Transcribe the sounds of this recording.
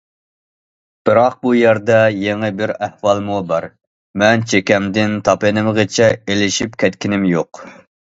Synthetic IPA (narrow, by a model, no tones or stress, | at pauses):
b̥ɨɾɑq̚bujæɾd̪ɛjeŋɨbɪɾæhwɑlˠmubɑɾ | mɛnt͡ʃʰekʲɛmd̪ɪnt̪ʰɑpɨnɪmʁət͡ʃʰɛelɪʃipkʲʰɛt̪kʲinɪmjoq